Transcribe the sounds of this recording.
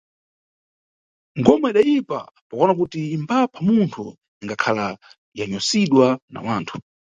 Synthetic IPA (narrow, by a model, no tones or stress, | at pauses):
ŋɡɔmaiɗajipa̰ | pɔkɔnak̬utiːmbapʰamuntʰu | iŋɡakʰala | jaɲɔsiɗwana̰waːntʰu̥